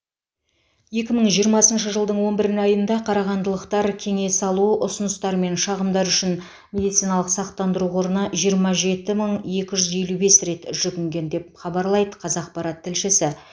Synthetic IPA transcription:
je̞kʲɪməɴʒijəɾmɑsənʃəʒəlˠd̪əɴwo̞nbɪɾɪnɑjənd̪ɑqʰɑɾɑʁɑnd̪əlˠəqt̪ɑɾkʲʰe̞ŋe̞sɑlˠuʔʊsʊnəst̪ɑɾme̞nʃɑʁəmd̪ɑɾʏʃɪn | mʲe̞d̪ijt̪sijnɑlˠəqsɑq̚t̪ːɑnd̪əɾuo̞ɾənɑʒijəɾmɑʒe̞t̪ɪməɴe̞kʲɪʒʏzje̞lube̞sɾe̞t̪ʒ̥ʏɡʲɪŋɡʲe̞nd̪e̞p̚χɑbɑɾlˠɑjd̪əqʰɑzɑq̚pɑɾɑt̪ʰːɪlʃɪsɪ

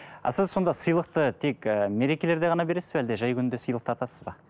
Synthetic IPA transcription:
ɑ̰sɪzso̞nd̪ɑsəjlˠəq̚t̪ət̪ʰe̞kʲːme̞ɾe̞kʲe̞le̞ɾd̪e̞ʁɑnɑbeɾe̞sɪzbæld̪eʒɑjkʲʰʏnɪnd̪e̞səjlˠəq̚t̪əɑt̪ɑsəzbɑ

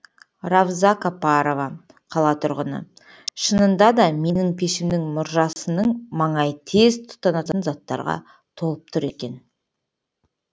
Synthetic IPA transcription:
ɾɑvzɑkapɑɾo̞vɑ | qʰɑlˠɑt̪ʰʊɾʁənə̰ | ʃənənd̪ɑd̪ɑme̞nɪŋpʰe̞ʃɪmnɪŋmʊɾʒɑsənəɴmɑɴɑjt̪ʰe̞zt̪ʰʊ̥t̪ːɑnɑt̪ənzɑt̪ːɑ̰ɾʁɑ̰ | t̪ʰo̞lˠəp̚t̪ʰʊɾe̞kʲe̞n

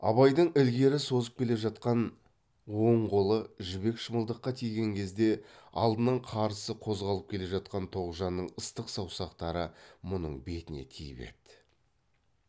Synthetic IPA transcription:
ɑ̰βɑjd̪əɴɪlɡʲe̞ɾɪso̞zəp̚kʲʰe̞le̞ʒɑt̪̚qɑn | wo̞ɴʁolˠəʒʏβe̞kʃəməlˠd̪əqːɑt̪ʰijɡʲe̞ŋkʲʰe̞zd̪e̞ɑ̰lˠd̪ənɑɴqʰɑɾsəqʰo̞zʁɑlˠəp̚kʲʰe̞le̞ʒɑt̪̚qɑnt̪ʰo̞ʁʒɑnːəɴəst̪əqsɑwsɑqt̪ɑɾəmʊnə̰ɴbe̞t̪ɪne̞̰t̪ʰijɪpe̞̰t̪ɪ̥

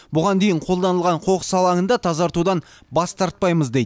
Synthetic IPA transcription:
bʊʁɑnd̪e̞jɪɴqʰo̞lˠd̪ɑnəlˠʁɑɴqʰo̞qə̥sɑlˠɑŋənd̪ɑt̪ʰɑzɑɾt̪ud̪ɑn | bɑst̪ɑɾt̪̚pɑjməzd̪e̞jd̪

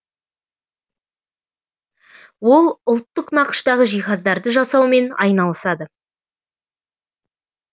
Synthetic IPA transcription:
wo̞lˠʊlˠt̪ːəqnɑqə̥ʃt̪ɑʁəʒijχɑzd̪ɑɾd̪əʒɑsɑwme̞nɑ̰jnɑlˠəsɑd̪ə

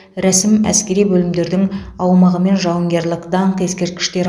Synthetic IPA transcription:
ɾæsɪmæ̰skʲe̞ɾijbɵlɪmd̪e̞ɾd̪ɪŋ | ɑwmɑʁəme̞nʒɑwəŋɡʲe̞ɾlɪkd̪ɑɴqe̞skʲe̞ɾt̪̚kʲɪ̥ʃt̪e̞ɾ

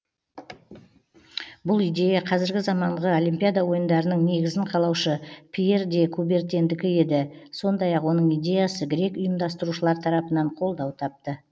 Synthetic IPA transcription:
bʊlˠijd̪ʲe̞jaqʰɑzɪɾɡʲɪzɑmɑɴʁəo̞lʲimpʲijad̪awo̞jənd̪ɑɾənəɴne̞ɡʲɪzɪɴqʰɑlˠɑwʃəpʲʰije̞rd̪e̞kʰube̞ɾt̪ʲe̞nd̪ɪkʲɪe̞d̪ɪso̞nd̪ɑjɑqwo̞nəɴijd̪ʲe̞jasəɡʲɪɾe̞kʊjəmd̪ɑst̪əɾuʃəlˠɑɾt̪ʰɑɾɑpənɑɴqʰo̞lˠd̪ɑwt̪ʰɑp̚t̪ə

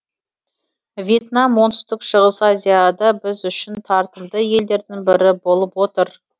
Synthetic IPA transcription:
vʲje̞t̪namwo̞nt̪əst̪ɪkʃəʁəsazʲijad̪ɑbɪzʏʃɪnt̪ʰɑɾt̪əmd̪əje̞ld̪e̞ɾd̪ɪŋbɪɾɪbo̞lˠəpwo̞t̪əɾ

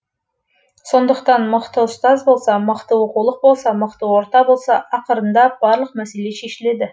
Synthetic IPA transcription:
so̞nd̪əqt̪ɑnməqt̪əʊst̪ɑzbo̞lˠsɑməqt̪əwoquwlˠəq̚bo̞lˠsɑməqt̪əwo̞ɾt̪ɑbo̞lˠsɑʔɑqəɾənd̪ɑb̥ɑɾlˠəq̚mæse̞le̞ʃe̞ʃɪle̞d̪ɪ

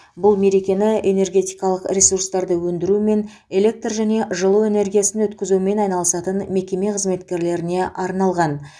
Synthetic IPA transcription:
bʊlˠme̞ɾekʲe̞nɪene̞rɡʲe̞t̪ijkɑlˠəqɾʲesurst̪ɑɾd̪əwɵnd̪ɪɾume̞n | e̞lʲe̞k̚t̪rʒæne̞ʒəlˠuwe̞ne̞ɾɡʲijasɪnwɵt̪kʲɪzume̞nɑjnɑlˠəsɑt̪ənme̞kʲe̞me̞qʰəzme̞t̪kʲe̞ɾle̞ɾɪne̞ʔɑɾnɑlˠʁɑn

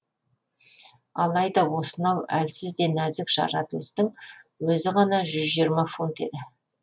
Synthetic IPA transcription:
ɑlˠɑjd̪ɑwo̞sənɑwælsɪzd̪e̞næzɪkʒɑ̰ɾɑt̪əlˠəst̪əɴwɵzɪʁɑnɑʒʏzʒijəɾmɑfunt̪e̞̰d̪ɪ

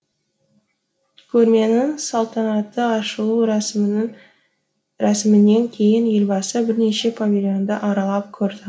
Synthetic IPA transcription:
kʲʰɵɾme̞nɪŋsɑlˠt̪ʰɑnɑt̪ːəɑʃəlˠu | ɾæsɪmɪnːe̞ŋkʲʰe̞jɪnje̞lbɑsəbɪɾne̞ʃe̞pʰavʲilʲjo̞nd̪əʔɑɾɑlˠɑp̚kʲʰɵɾd̪ɪ

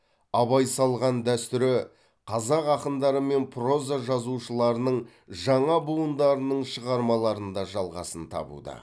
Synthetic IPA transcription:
ɑbɑjsɑlˠʁɑnd̪æst̪ʏɾɪ | qʰɑzɑqɑqənd̪ɑɾəme̞npʰro̞zaʒɑzuʃəlˠɑɾənəɴ | ʒɑɴɑbuənd̪ɑɾənəɴʃəʁɑɾmɑlˠɑɾənd̪ɑʒɑlˠʁɑ̰sənt̪ʰɑ̰bṵd̪ə̰

